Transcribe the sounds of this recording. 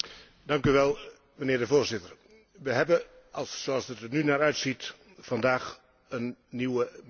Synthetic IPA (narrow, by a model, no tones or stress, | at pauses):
dɑŋkyʋɛlˠ | mənɪːrdəvoːɹzɪtər | ʋəɦɛbə | ɑlˠsoɑlˠsətənynaːɾœɥtsit | fɑndaːx | ənːiwə